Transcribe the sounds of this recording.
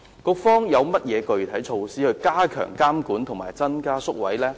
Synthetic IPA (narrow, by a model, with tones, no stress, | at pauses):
kɔː˧kfɔː˥ŋjɐ˨˧wmɐ˥t̚jɛː˨˧kɵ˨˧ɥt̪ʰɐ˨˥jt͡ʃʰo˧wsiː˥hɵ˧ɥkaː˥kʰœ̰ː˨˩ŋkaː˥mkuː˨˥nt̪ʰʊ˨˩maː˨˩jt͡sɐ˥nkaː˥sʊ˥k̚wɐ̰˨˥jlɛː˥